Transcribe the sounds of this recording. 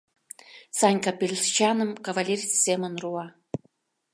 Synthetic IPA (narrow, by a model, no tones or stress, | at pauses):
sɑnʲkapʲelʲst͡ɕɑnə̆mkavalʲerʲssemənruɑ